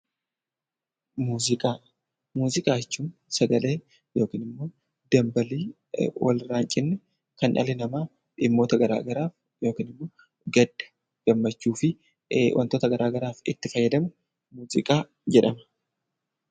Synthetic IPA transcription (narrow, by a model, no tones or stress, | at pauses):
muːzɪkʼaːɐ | muːzɪkʼaːt͡ʃːuːnsɐɡɐle̞ː | jo̞ːkiːnɪmːo̞ː | d̪ɐmbɐliː | wɐ̰lɪɾaːŋt͡ʃʼɪnːɛ | kɐnʔɐ̰lɛnɐmaː | ɪmːo̞ːt̪ɐɡɐɾa̰ːɡɐɾaːf | jo̞ːkiːnɪmːo̞ː | ɡɐᶑɐ̥ | ɡ̥ɐmːɐt͡ʃːuːfɪ | wʔɐ̰nt̪oːt̪ɐɡɐɾʔaːɡɐɾaːfɪt̪ːɪfɐjːɐd̪ɐmɛ | muːzɪ̰kʼaː | d͡ʒɛᶑɐmɐ̥